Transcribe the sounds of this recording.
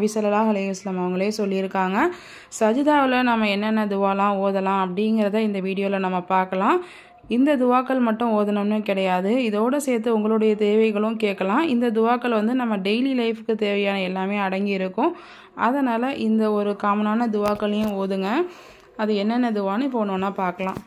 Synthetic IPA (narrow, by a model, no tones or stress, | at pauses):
bɪsɐlɐlaːɦɐlɐɪjʋɐsɐlɐːmɐʋɐŋɡɐɭjesɔlːɪɪɾɯkːaːŋɡɐ | sɐd͡ʒɐðaːʋɪlɐnɐmːɐɛnːɐnːɐd̪ʊʋaːlãːoːðɐlãːɐpːɐɽɪŋɡɪɾɐðãːɪnd̪ɐʋiːɽɪjoːɪlɐnɐmːɐpaːɾkɐlãː | ɪnd̪ɐd̪ʊʋaːkːɐɭmɐʈːʊ̃oːðɐnɐmnːɯkɪɽɐjaːðɯɪðoːɽɐsɛːɾt̪ːɯʊŋɡɐɭoːɽɐjɐt̪eːʋɐɪɣɐɭʊ̃mkeːʈkːɐlãːɪnd̪ɐd̪ʊʋaːkːɐɭʋɐnd̪ɯnɐmːɐɖɛɪlilɐɪfɯkːɯt̪eːʋɐjaːnɐɛlːaːmeːɐɽɐŋɡɪjɪɾɯkːʊ̃ | ɐðɐnaːlɐʔɪnd̪ɐɔɾɯkaːmɐnaːnɐd̪ʊʋaːkɐɭjʊ̃oːðɯŋɡɐ | ɐðɯɛnːɛnːɐd̪ʊʋaːnɯpoːñnːaːpaːɾkɐlãː